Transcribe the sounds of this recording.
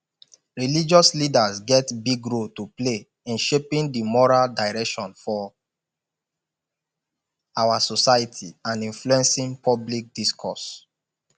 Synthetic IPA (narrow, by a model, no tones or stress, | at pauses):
ɹilid͡ʒɔslidazɡɛtbiɡɹoltuple | ĩnʃepĩndimɔɹaldaɪɹɛkʃɔ̃nfɔ | awasɔsajitʰiãnĩnfluɛ̃nsĩnpʰɔblik̚diskʰɔs